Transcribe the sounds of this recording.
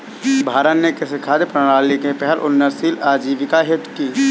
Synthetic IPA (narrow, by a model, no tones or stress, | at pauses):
bʱaːɾət̪nekɪsɪkʰaːd̪pɾəɽ̃aːlikepɛɦɛlʔʊ̰nːəɾsiːlaːd͡ʒiːʋɪkaɦɪt̪kiː